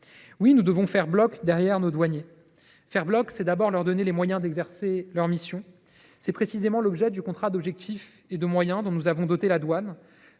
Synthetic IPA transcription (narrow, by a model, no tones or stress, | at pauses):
winud̪əvɔ̃fɛʁblɔkd̪ɛʁjɛʁnod̪waɲje | fɛʁblɔksɛd̪abɔʁlœʁd̪ɔnelemwajɛ̃d̪ɛɡzɛʁselœʁmisjɔ̃ | sɛpχesizemɑ̃lɔbʒɛd̪ykɔ̃t̪χad̪ɔbʒɛk̚t̪ʰif | ed̪əmwajɛ̃d̪ɔ̃nuzavɔ̃d̪ɔt̪elad̪wan